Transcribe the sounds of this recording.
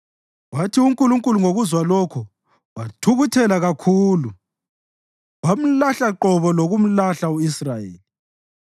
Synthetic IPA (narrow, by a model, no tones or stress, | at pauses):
watʰiuŋkʼuluŋkʼuluŋoɣuzwalɔkʰɔ | watʰuɣutʰɛlaɣakʰuːlu | wam̩laɬaǃɔβɔloɣum̩laɬauisrajḛːli